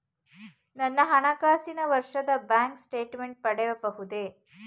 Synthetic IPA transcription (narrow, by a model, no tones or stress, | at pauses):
nɐnːɐɦɐɳɐkaːsinɐʋɐɾʂɐd̪ɐbaːŋksʈeːʈmeɳʈ̚pɐɽeʋɐbɐɦud̪e